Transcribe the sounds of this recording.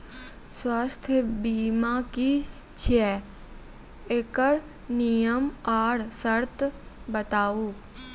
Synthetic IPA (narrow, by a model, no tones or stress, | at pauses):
swaːst̪ʰjəbiːmãːki | t͡ʃʰɛː | ekəɽ | nijəmaːɽsəɾt̪ | bət̪aːuː